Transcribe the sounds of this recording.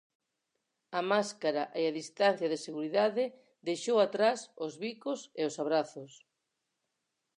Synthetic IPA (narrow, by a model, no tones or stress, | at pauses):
ɐmaskaɾaʔeaðist̪anθjaðɪseɣuɾiðaðɪ | d̪ejʃowat̪ɾasozβikoseosaβ̞ɾaθʊs